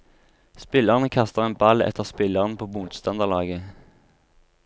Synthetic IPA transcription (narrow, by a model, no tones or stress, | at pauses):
spɪləʁnəkʰɑst̪əʁeːnbɑlɛ̰t̪ʰəʁspɪləʁənpʰoːbʊt̪st̪ɑnd̪əʁlɑːɡə